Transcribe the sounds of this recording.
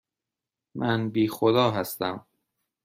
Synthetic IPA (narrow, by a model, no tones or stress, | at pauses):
mʔænbiːxod̪ɒːɦæst̪æm